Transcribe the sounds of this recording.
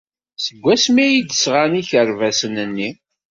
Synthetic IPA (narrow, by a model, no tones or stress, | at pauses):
səɡʷːæsmijid̪əsʁaniçəɾvæsənənːi